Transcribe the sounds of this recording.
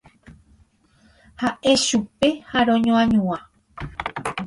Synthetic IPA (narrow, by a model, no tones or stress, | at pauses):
haʔe̞ʃupe̞haɾõɲõãɲũã